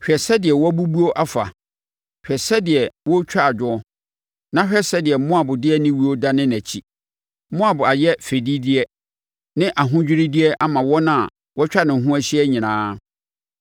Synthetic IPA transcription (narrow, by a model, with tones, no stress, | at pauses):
ɕᶣɛ˨sɛ˦dɪ˨ɛ˨wɔ˦bu˦bu˦o˦ʔa˦fa̰˨ | hᶣɛ˨sɛ˦dɪ˨ɛ˨wɔ˦t͡ɕᶣa˦a˨d͡ʑᶣʊ˦ɔ˦ | nã˦ɕᶣɛ˦sɛ˦dɪ˨ɛ˨m˦mʊ̃˦a˨bʊ˨dɪ˦ɛ˦nɪ̃˦wi˦o˦da˦nɪ̃˦næ˨t͡ɕʰi˦ | mʊ̃˦a˨bʊ˨a˨jɛ˦fe˨di˦dɪ˦ɛ˦ | nɪ̃˦ʔa˨ɦʊ̃˦d͡ʑᶣɪ˦ɾɪ˦dɪ˦ɛ˦ʔa˦mã˨wɔ˦nã˦a˨ | wɔ˦t͡ɕᶣa˦nɪ̃˨ɦũ˦æ˦ɕɪ˦ɛ˦ɲĩ˨nãː˦